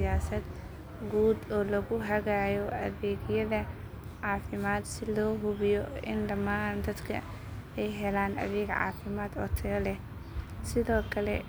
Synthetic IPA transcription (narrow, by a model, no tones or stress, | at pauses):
jaːsɐd̪ | ɡuːd̪ɔːlɐɣʊɦɐɣajɔʔɐðɛːɡjɐðɐ | ʕɑːfɪmaːd̪sɪlɔːɦʊβɪjɔɪ̰nɖɐmaːnd̪ɐd̪kʰɐ̰ | ɛjɦɛlaːnɐ̰ðɛːɡʕɑ̰ːfɪmaːd̪ɔ̰t̪ʰɛlɛh | sɪðɔːkʰɐlɛ